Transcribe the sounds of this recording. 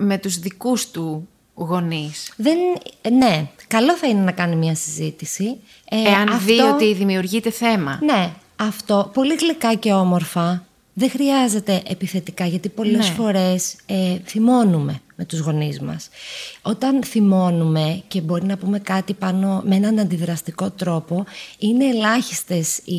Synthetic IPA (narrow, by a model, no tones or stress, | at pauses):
me̞t̪uzðikust̪u | ɣo̞nisðe̞nne̞kɐlo̞θɐinenɐkɐnimɲɐsizit̪isi | eɐnɐfðioo̞t̪iðimiuɾʝit̪e̞θe̞mɐ̰ne̞ | ɐft̪o̞po̞liɣlikɐce̞o̞mo̞ɾfɐ | ðexɾiɐze̞t̪e̞ʔepiθe̞t̪ikɐʝɐt̪ipo̞le̞sfo̞ɾe̞seθimo̞nume̞me̞t̪uzɣo̞nizmɐ̰so̞t̪ɐnθimo̞nume̞ce̞bo̞ɾinɐpume̞kɐt̪ipɐno̞mee̞nɐnɐnd̪iðɾɐst̪iko̞t̪ɾo̞po̞ine̞ːlɐçist̪e̞si